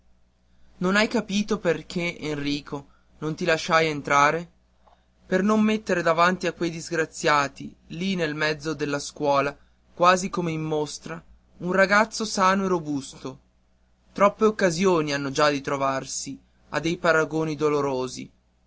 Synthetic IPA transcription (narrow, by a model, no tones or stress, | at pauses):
nonajkapiːt̪operk̟ʰeenriːkʰo | nont̪ilaʃːajent̪ɾaːɾe | pernomːet̪ːeɾed̪avant̪iakːwejd̪izɡɾat̪sːjaːt̪i | linelmɛd̪zːod̪elːaskwɔːla | kwaːzikomeimːost̪ɾa | unraɡat̪sːosaːnoerobust̪o | t̪ɾɔpːeokːazjoːnianːod͡ʒad̪ːit̪ɾovarsi | a̰d̪ːejpaɾaɡoːnid̪oloɾoːzḭ